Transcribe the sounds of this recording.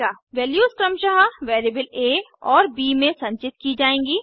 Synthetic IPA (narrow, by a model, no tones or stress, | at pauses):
aːʋɛːljuːskɾɐmʃɐɦaʋeːɾibəleːɔːɾbiːmẽsɐ̃ɲt͡ʃɪt̪kid͡ʒaːẽːŋɡiː